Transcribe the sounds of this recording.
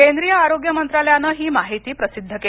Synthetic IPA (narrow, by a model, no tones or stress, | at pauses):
kend̪ɾijəaɾoɡjəmənt̪ɾaljanəːɦiːmaɦit̪iːpɾəsid̪ʱːəke